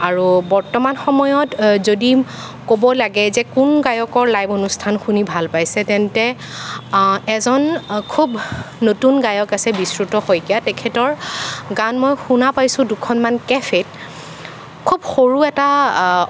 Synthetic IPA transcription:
aɹubɔɹtɔmanxɔmɔjɔtzodi | kobɔlaɡɛzɛkunɡajɔkɔɹlajbonustʰanxunibʱalpajsɛtɛntɛ | ɛzɔnkʰubnotunɡajɔkasɛbisɹutɔxojkijatɛkʰɛtɔɹɡanmɔjxunapajsʊ̃dukʰɔnmankɛfʰet | kʰubxoɹuɛta

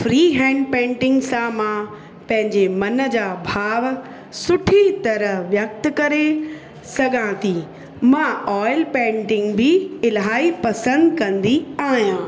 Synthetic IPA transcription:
fɾiːɦɛ̃ːɳɖpẽːɳʈɪ̃ŋɡsãmã | pɐ̃ɦɪ̃ɲd͡ʑemɐnə̆d͡ʑaːbʱaːʋ | sʊʈʰit̪ɐɾəɦʋjɐk̚t̪kɐɾe | sɐɡʱãt̪ʰiː | mãɔːɪlpẽːɳʈɪ̃ŋɡbɪɪlɦaːipɐsə̃nd̪kɐ̃nd̪iaːɦijãː

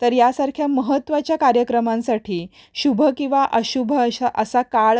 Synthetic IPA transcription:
t̪əɾjasaɾkʰjaməɦət̪ːʋat͡ɕjakaɾjəkɾəmãnsaʈʰiː | ɕubʱəkĩʋaʔəɕubʱəəɕaʔəsakaɭ

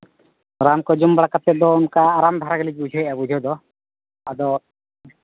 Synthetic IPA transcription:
ɾamkɔd͡ʒumbaɽakat̪̚ːɛd̪ɔunkaːɾamd̪ʱaɾaɡɛlid͡ʒ̚bud͡ʒʱɔjʔabud͡ʒʱɔd̪ɔ | ad̪ɔ

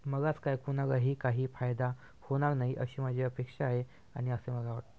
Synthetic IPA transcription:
məɡat͡skajkunaɡaɦiːkaɦiːfajd̪a | hoɽ̃aɾnaɦiʔəɕiːmad͡ʑʱiəpekʂaːɦe | aɽ̃iəseməɡaʋaʈ̚t̪e

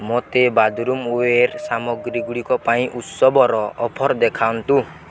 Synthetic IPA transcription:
mot̪ebad̪ʱɾumoeɾsamɔɡɾiɡuɽikɔpaĩʔut̪sɔbɔɾɔɔpʰɔɾd̪ekʰant̪u

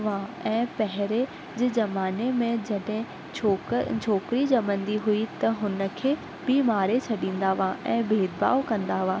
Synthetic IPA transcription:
ʋãɛ̃ːpɛɦɪɾe | d͡ʑɪːzɐmaːnemẽd͡ʑɐɗɦɪ̃ | t͡ɕʰoːkɪɾid͡ʑɐmə̃nd̪iɦuit̪ɐɦʊnə̆kʰeː | b̥imaːɾet͡ɕʰɐɗĩːn̆d̪aʋãʔɛ̃ːbʱeːd̪̚ba̰ːokɐ̃nd̪aʋãː

